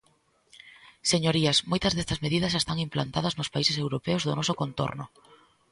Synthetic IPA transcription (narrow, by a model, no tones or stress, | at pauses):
seɲoɾiɐsmojt̪ɐzðest̪ɐzmeðiðɐsest̪aŋimpla̰nt̪að̞ɐznʊspaisesewɾopeʊzðʊnɔsʊkont̪o̰ɾnʊ̰